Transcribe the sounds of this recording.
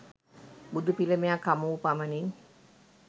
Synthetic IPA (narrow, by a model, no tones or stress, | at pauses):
bud̪upiləmejakamuupamənin